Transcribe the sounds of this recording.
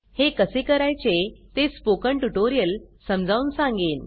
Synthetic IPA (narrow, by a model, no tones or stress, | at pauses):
hekəsekəɾajt͡ɕet̪espokəɳʈuʈoɾijəlsəmd͡zʱaunsãŋɡiːn